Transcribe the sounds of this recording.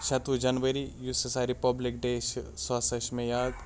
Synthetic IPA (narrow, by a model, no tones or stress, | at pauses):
ʃʰɐt̪ʋud͡ʒɐnʋəɾijusesaɾipɐblɪk̚ɖeːʃswaːsɐʃmẽjaːd̪